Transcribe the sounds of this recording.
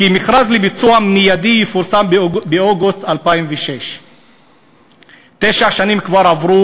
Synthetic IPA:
kimiχɾazlibit͡suammijad̪ijefuɾsambeoɡust̪alpaimveʃeʃ | t̪eʃaʃanimkvaɾavʁu

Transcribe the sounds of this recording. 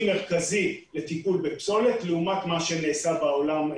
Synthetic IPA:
me̞ʁkazilet̪ipulbepso̞let̪leumat̪maʃeneːsabao̞lam

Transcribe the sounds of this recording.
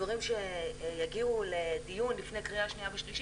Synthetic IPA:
vaʁimʃejaɡiuledijunlifnekʁijaʃniabeʃliʃ

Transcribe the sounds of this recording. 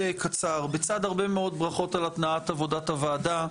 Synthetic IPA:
ejkat͡saʁbet͡sad̪aʁbemeo̞d̪̚bʁaχo̞talat̪naatavo̞datavaːda

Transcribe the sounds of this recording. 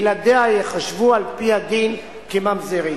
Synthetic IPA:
lad̪eajeχaʃvualpiad̪in | kemamzeʁi

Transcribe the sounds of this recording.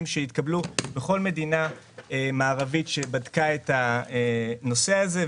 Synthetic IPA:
mʃeit̪kablubeχo̞lme̞dina | emaːʁavitʃe̞badkaeta | no̞se̞aze̞

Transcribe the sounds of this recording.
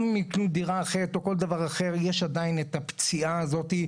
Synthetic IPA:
miknud̪iʁaːχeʁet̪o̞ko̞ld̪avaʁaχe̞ʁjeʃad̪ainet̪apt͡siaːzo̞t̪i

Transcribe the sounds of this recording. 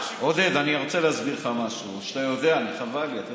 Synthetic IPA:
od̪edaniʁot͡seleazbiʁχamaʃuʃt̪ajo̞d̪eaːniχavaliat̪a

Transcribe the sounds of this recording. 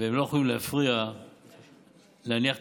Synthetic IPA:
eemlo̞jexolimlehafʁia | leaniaχt

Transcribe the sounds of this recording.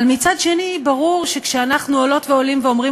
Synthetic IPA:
lmit͡sadʃe̞nibaʁuʁʃekʃeanaχnuolo̞tveo̞limveomʁi

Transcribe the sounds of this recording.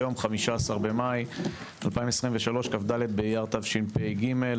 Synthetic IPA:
jo̞mχamiʃaːsaʁbe̞maj | alpaimesʁimveʃalo̞ʃkafd̪alet̪̚bejaʁt̪avʃinpejɡime̞l

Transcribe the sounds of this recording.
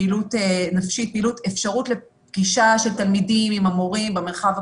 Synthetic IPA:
ilutenafʃit̚piːlutʰefʃaʁutle̞ | pɡiʃaʃeltalmidimimamoʁimbemeʁχav

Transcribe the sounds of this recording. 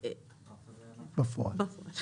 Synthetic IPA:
b̥əfɔ̰bəfɔ

